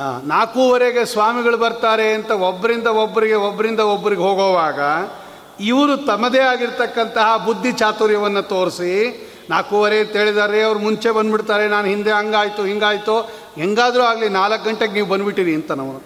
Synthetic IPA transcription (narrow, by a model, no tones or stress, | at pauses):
a̰ːnaːkuːʋɐɾeɡe̞sʋaːmiɡɐɭubɐɾt̪aːɾe̞ɐnt̪ɐobːɐɾind̪ɐobːɐɾiɡe̞obːɐɾind̪ɐobːɐɾiɡeɦoːɡoːʋaːɡɐ | iʋɐɾut̪ɐmːɐd̪eːaːɡiɾt̪ɐkːɐnt̪ɐɦɐbud̪ʱːit͡ʃaːt̪uɾjɐʋɐnːɐt̪o̞ːɾsi | naːkuːʋɐɾet̪eːɭid̪aːɾeɐʋɐɾumuɲt͡ʃe̞bɐnd̪biɽt̪aːɾenaːnuɦind̪eɦɐŋɡaːjt̪uɦiŋɡaːjt̪u | ɦeŋɡaːd̪ɾuaːɡlinaːlɐkɡɐɳʈeɡeniːʋubɐnːbiʈːiɾiɐnt̪ɐnɐʋɐ